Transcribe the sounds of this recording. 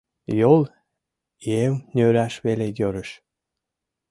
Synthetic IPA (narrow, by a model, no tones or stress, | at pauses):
jol | iewnʲøɾæʃβelejøɾəʃ